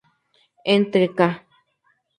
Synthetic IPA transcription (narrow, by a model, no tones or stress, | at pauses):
ent̪ɾeka